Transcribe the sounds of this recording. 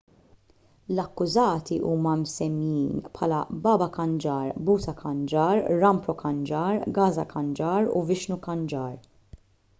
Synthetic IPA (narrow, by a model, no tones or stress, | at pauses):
lɐkːʊzɐːt̪iʔuːmɐmsɛmjiːnpħɐːlɐbɐːbɐkɐnd͡ʒɐːɾbuːt̪ɐkʰɐnd͡ʒɐːɾːɐmpɾɔkɐnd͡ʒɐːɾɡɐːzɐkɐnd͡ʒɐːɾṵvɪʃnukɐnd͡ʒɐːɾ